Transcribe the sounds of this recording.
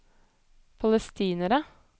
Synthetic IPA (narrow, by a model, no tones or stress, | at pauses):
pʰɑləst̪ʰiːnəɾə